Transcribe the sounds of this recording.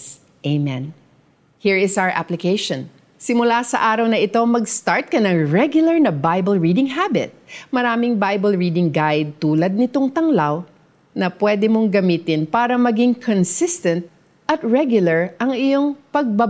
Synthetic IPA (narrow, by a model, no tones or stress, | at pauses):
ʔemɛn | hiɹɪsawə˞ʔa̰plɪkejʃɔ̃n | sɪmʊlasɐʔaːɾɐwnɐʔɪt̪o̞mɐɡst̪aɹt̪̚kɐnɐŋɹɛɡjʊlɐɹnɐbajbɐlɹiːd̪ɪŋɦabɪ̰t̪̚mɐɾaːmɪŋbajbɐlɹiːd̪ɪŋɡajd̪̚t̪uːlɐd̪̚nɪt̪oŋt̪ɐŋlaw | nɐpwɛd̪ɛmoŋɡɐmiːt̪ɪnpaːɾɐmɐɡiŋkʰonsɪst̪ɛ̃nt̪̚ | ʔɐt̪ɹɛɡjʊlɐɹʔɐŋɪjo̞ŋpɐɡ̚bɐ